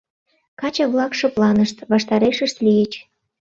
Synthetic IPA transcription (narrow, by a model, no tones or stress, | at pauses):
kɑt͡ɕəβlɑkʃoplɑnəʃt̪βɑʃt̪ɑɾeʃəʃt̪lijət͡ɕ